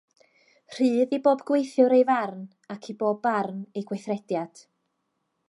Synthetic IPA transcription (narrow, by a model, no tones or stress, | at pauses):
r̥ɨːðiboːbɡwejθjʊɾejvarn | akʰiboːbarnejɡwejθrɛdjad̥